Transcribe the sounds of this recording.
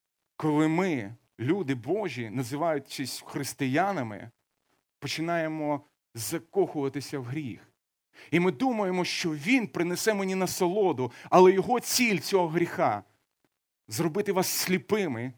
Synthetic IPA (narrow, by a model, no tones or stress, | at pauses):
kɔlˠɪmɪ | lʲud̪ɪbɔʒʲinɐzɪʋɑjʊt͡ʃɪsʲxɾɪst̪ɪjanɐmɪ̰ | pɔt͡ʃɪnɑjemɔ | zɐkɔxʊʋɐt̪ɪsʲɐwɦɾʲix | imɪd̪umɐjemɔʃt͡ʃɔʋʲinpɾɪnɛsɛmenʲinɐsɔlˠɔd̪ʊɐlˠɛjɔɦɔt͡sʲilʲt͡sʲɔɦɔɦɾʲixɑ | zrɔbɪt̪ɪʋɑsːʲlʲipɪmɪ